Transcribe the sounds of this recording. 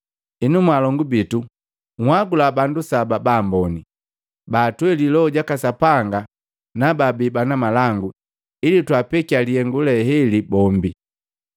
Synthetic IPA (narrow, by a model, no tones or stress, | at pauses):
inumwalɔŋɡubitu | ŋ̩hwaɡulabandusababaːmbɔni | baːtwɛlilɔɔɟakasapaŋɡa | nababibanamalaŋɡu | ilitwapɛkialiɛŋɡulɛhɛlibɔmbi